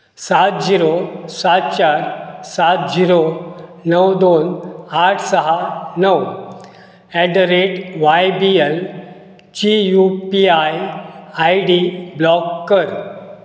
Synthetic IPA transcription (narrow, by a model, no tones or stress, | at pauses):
sat̪̚d͡ʑiɾosat̪̚t͡ɕaɾsat̪̚d͡ʑiɾonəwd̪onaʈʰsəɦanəw | ɛɖɾeʈʋajbiel | t͡ɕijupiajajɖiblɔkːəɾ